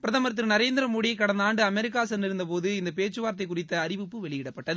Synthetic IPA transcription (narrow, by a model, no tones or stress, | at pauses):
pɪɾɐðɐmɐɾɐt̪̬ːɪɾnɐɾeːnd̪ɪɾɐmoːɽɪjɐɪkːɐɽɐnd̪aːɳɖɯɐmɛɾɪk̬ːaːsɐnɪɾɯnd̪ɐpoːðɯɪnd̪ɐpeːt͡ʃːɯʋaːɾɐt̪̬ːɐɪkːʊrɪt̪ːɐːɾɪʋɯpːɯʋɛɭɪjɪɽɐpːɐʈːɐðɯ